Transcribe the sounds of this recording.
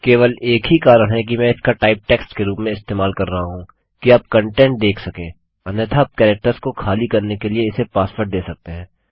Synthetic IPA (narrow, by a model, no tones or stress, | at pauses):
keːʋəleːkɦikaːɾəɽɦɛkimɛ̃ːɪskaʈaːɪp̚ʈɛːksʈkeɾuːpmẽɪst̪eːmaːlkɐɾːɐɦaɦũː | kiaːp̚kɐ̃ɳʈɛ̃ɳʈ̚d̪eːkʰsɐkẽː | ɐnət̪ʰaːp̚kɛːɾɛk̚ʈəɾskokʰaːlikɐɾnekelieɪsepaːspəɾd̪eːsɐk̚t̪eɦɛ̃ː